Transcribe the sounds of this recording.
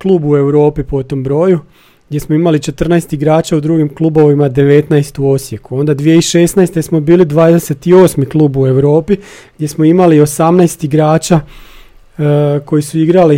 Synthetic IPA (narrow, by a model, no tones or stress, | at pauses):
klˠuːbue̞wɾo̞ːpipo̞t̪o̞mbɾo̞ːju | ɡ̪je̞smoimalit͡ʃe̞t̪r̩naest̪iɡɾaːt͡ʃaud̪ɾuːɡimklˠubo̞ʋimad̪e̞ʋe̞t̪naest̪uo̞sje̞kuo̞nd̪ad̪ʋije̞iʃe̞snajst̪e̞smo̞biːlid̪ʋaːd̪ese̞t̪io̞ːsmiklˠuːbue̞wɾo̞ːpiɡd̪je̞smoimalio̞samnaest̪iɡɾaːt͡ʃa | ko̞jisuiɡɾali